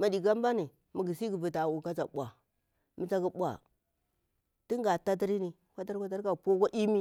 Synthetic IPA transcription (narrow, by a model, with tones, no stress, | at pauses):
ma˨di˨ɡa˦m˦ba˦ni˨ | mu˨ɡi˨si˦ɡi˨vi˨ta˨wu˨ka˦t͡ʃa˨ɓʷa̰˨ | mi˨t͡ʃa˦ɡi˦ɓʷa̰˨ | ti˦ŋ˦ɡa˨ta˦t̬i˦ɾi˦ni˦ | kʷa˦ta˦ɾkʷa˦ta˦ɾka˦˨po˦kʷa˦ʔi˦mi˦